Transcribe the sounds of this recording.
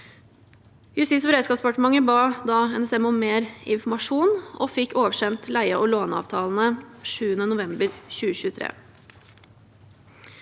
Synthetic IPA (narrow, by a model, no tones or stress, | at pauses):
jʉsɪsʋɾæɪskɑːpspʰɑʈəmɑŋəbɑːd̪ɑːɛnɛsɛmɔmmeːɾɪnfɔmɑʂuːnɔ̰ːfɪkːoːʋəʃɛnt̪læɪəʔɔloːnɑ̰ːʋt̪ʰɑːln̩əʂʉːənənʊʋɛmbəɾçʉːəçʉːət̪ʰɾḛː